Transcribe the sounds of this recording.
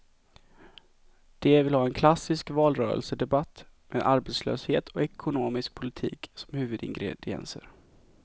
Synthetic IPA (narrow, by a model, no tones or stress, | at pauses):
d̪̥ɛvɪlhɑːɛnkʰlasːɪskvɑːlɾœːɾə̰lsəd̪ɛbat̪ː | meːd̪ʔaɾbɛt̪slø̰ːsheːt̪ʰɔɛkʰʊnoːmɪsk̚pʰʊlɪt̪ʰḭːksɔ̥mhʉ̟ːvɵd̪ɪ̰ŋɡɾɛd̪ɪɛ̰nsə̰ɾ